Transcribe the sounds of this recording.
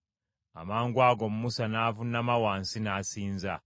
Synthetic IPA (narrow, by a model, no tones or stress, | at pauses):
a̰maːŋɡwaːɡomumusanaːvunamawaːnsinaːsiːnza